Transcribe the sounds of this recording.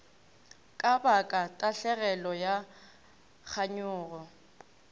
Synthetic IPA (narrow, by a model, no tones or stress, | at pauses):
kʼabakʼatʼaɬɛɣɛlɔja | k͡xʰaɲʊːrɔ